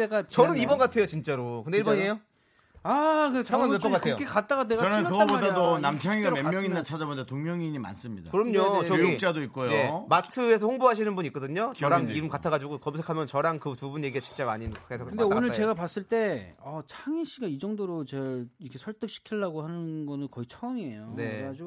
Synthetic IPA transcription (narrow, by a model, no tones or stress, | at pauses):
eɡat͡ɕʌnɯnibʌnɡatʰe̞jot͡ɕint͡ɕ͈aɾokɯndeiɭbʌɲiejo | akɯt͡ɕʰaɯep͈ʌɡatʰejokʰekat͈aɡateɡaʌnɯɯɡbodadonamt͡ɕʰaŋiɡaemjʌŋinːat͡ɕʰad͡ʑabondetoŋmjʌŋiɲima̰ns͈ɯmɲidakɯɾʌmɲot͡ɕʌɡoit͡ɕ͈adoik̚k͈ojoje̞matʰɯe̞s̬ʰʌhoŋboɦaɕʰinɯnbuɲik͈ʌdɯɲot͡ɕʌɾaniɾɯmkatʰaɣad͡ʑuɡokʌmsʰe̞kʰamjʌnt͡ɕʌɾankɯtubunɲje̞ɡiɡat͡ɕi̥nt͡ɕ͈amaɲinkʰesʰʌkkɯndeonɯɭt͡ɕe̞ɡapas͈ɯɭt͈e̞ʌt͡ɕʰaŋiɕ͈iɡaid͡ʑʌŋdoɾot͡ɕʌɭikʰesʰʌɭt͈ɯk̚ɕʰi̥kʰiɭːaɡohanɯnɡʌnɯnkʌit͡ɕʰʌmiejone̞ad͡ʑu